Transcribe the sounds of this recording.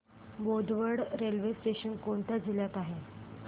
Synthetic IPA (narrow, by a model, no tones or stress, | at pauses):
bod̪ʋəɽɾelʋesʈeɕənkoɳt̪jad͡ʑiljat̪aɦe